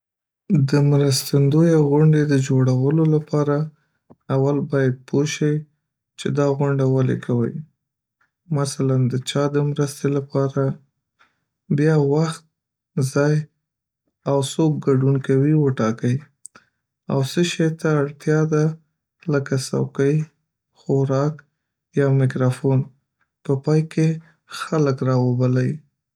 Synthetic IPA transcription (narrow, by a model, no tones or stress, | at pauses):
d̪əmɾəst̪and̪ojaɣʊɳɖed̪əd͡ʒoɽawəlolapɑɾaː | walbɑjad̪̚pʰoʃəj | t͡ʃed̪ɑɣʊɳɖawalḛkʰawə̰j | masaland̪ət͡ʃɑd̪əmɾəst̪elapɑɾa | bjɑwaxt̪̚ | zɑj | awsob̚ɡaɖunkawiwəʈɑkəj | a̰wsəʃejt̪aːɽt̪jɑd̪a | ləkasa̰wkə | xoɾɑk | jɑmɪkɾɑfon | pəpɑjke | xaləkɾɑwəbalaji